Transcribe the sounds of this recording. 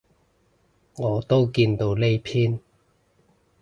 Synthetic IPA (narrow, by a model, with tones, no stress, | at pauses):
ŋɔː˨˧t̪o˥wkiː˧nt̪o˧wle˥jpʰiː˥n